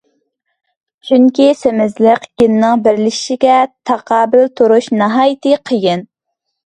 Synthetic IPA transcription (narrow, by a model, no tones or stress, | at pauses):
t͡ʃʰyŋkʲisemɪzlɪqjinnɨŋbɪɾlɪ̥ʃiɡʲɛt̪ʰɑqʰɑːbɪlt̪ʰuɾuʃnɑɦɑːjit̪ʰɨqʰəjɪn